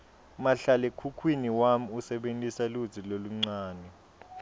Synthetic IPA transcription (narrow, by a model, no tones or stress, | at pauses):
maɬalekʰukʰwiniwam̩usɛɓentʼisalu̥d͡zʱiloluŋ͡ǀaːnɛ